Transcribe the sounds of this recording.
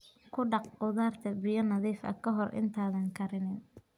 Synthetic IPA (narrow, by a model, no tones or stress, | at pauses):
kʰʊɖɑqqʊðaːrt̪ʰɐbɪjɔnɐðiːfɐ̰kʰɐɦɔrʔɪ̰nt̪ʰaːðɐŋkʰɐɾɪnɪn